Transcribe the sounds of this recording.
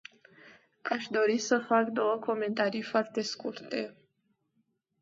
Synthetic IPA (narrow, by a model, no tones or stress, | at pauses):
aʃd̪o̞ɾisəfakd̪o̞wəko̞me̞nt̪aɾijfoart̪e̞skurt̪e̞